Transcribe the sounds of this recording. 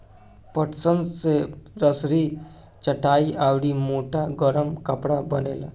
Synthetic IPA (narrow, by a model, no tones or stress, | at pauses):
pəʈt͡sənd͡zt͡seɾəsɾi | t͡ʃəʈaiʔawɽimoʈʰaɡəɾəmkəpɽabənela̰